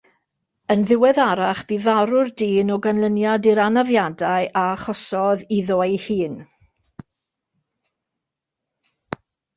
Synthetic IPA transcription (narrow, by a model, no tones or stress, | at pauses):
ənðɪwɛðaɾaχb̥ivaɾʊrdiːnɔɡanlˠənjadɪɾanavjadaɨʔaχɔsɔðiðɔjhiːn